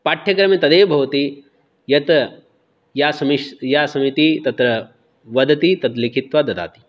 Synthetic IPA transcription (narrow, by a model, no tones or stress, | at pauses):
paːʈʰjɐkɾɐmit̪ɐd̪eːbʱɐʋɐt̪i | jɐt̪ | jaːsɐmiʃjaːsɐmit̪it̪ɐt̪ɾɐ | ʋɐd̪ɐt̪it̪ɐt̪likʰit̪ʋad̪ɐd̪a̰ːt̪i̥